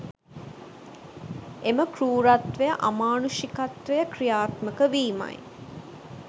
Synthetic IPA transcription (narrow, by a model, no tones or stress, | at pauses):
eməkruːɾat̪ʋejəʔamaːnuʃikat̪ʋejəkrijaːt̪məkəʋiːma̰j